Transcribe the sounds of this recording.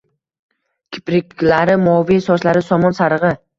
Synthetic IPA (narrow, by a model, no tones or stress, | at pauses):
kʲʰɪ̥pɾɪkʲlaɾɪmɒvisɒʃlaɾɪsɒmɒnsaɾɨʁɨ